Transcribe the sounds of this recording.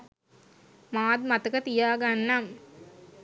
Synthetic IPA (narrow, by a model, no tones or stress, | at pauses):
maːd̪mat̪əkət̪ijaːɡanːam